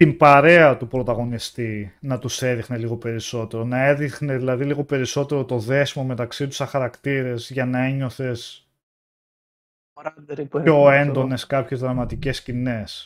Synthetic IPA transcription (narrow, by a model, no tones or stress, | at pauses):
t̪imbɐɾe̞ɐt̪upɾo̞t̪ɐɣo̞nist̪inɐt̪use̞ðixne̞liɣo̞pe̞ɾiso̞t̪e̞ɾo̞nɐe̞ðixne̞ðilɐðiliɣo̞pe̞ɾiso̞t̪e̞ɾo̞t̪o̞ðe̞simome̞t̪ɐksit̪u̥sɐxɐɾɐkt̪iɾe̞zʝɐnɐe̞ɲo̞θe̞s | o̞e̞nd̪o̞ne̞skɐpçe̞zðɾɐmɐt̪ice̞scine̞s